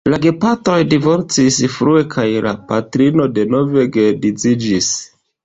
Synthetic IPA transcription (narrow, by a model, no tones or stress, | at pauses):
laɡe̞pato̞jdivo̞ɾt͡sisfɾue̞kʰajla̰patɾino̞de̞no̞ve̞ɡe̞did͡zid͡ʒis